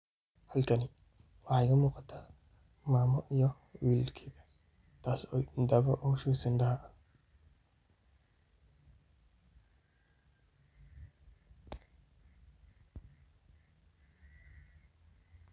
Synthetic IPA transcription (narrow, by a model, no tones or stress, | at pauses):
hɐlkʰɐnɪ | wɑħɑjɣɐmuːqɑt̪ʰaː | maːmɔʔijɔ | wiːlkʰɛːðɐ | t̪ʰaːsɔjd̪ɐβɐʔɔːʃuːsɪnd̪ɐɦɐɐ